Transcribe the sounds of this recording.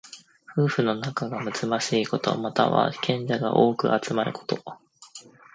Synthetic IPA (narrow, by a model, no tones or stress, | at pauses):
ɸɯ̟ːɸɯ̟no̞nakaɡamɯ̟z̥ɨmaɕiːko̞t̪o̞̰mat̪a̰βa̰kʰẽ̞ɲ̟d͡ʑaɡa̰ʔo̞ːkɯ̟̰ʔat͡sɨmaɾɯ̟ko̞̥t̪o̞